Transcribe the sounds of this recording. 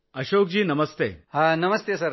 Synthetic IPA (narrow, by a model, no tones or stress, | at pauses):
ɐɕok̚d͡ʑiːnɐməst̪eɦanɐməst̪esɐɾ